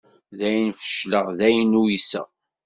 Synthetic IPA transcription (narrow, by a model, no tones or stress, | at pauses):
ðæjənfə̥ʃləʁðæjnuisæ̰